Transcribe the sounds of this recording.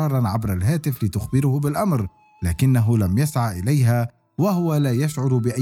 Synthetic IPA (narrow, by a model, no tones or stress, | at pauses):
ɑːɾˤɑnʕabɾalɦaːt̪ɪflɪt̪ʊxbɪɾʊhʊbɪlʔamɾ | laːkɪnːaɦʊlamjasʕaʔɪlajɦa | wahʊwalaːjaʃʕʊɾbɪʔa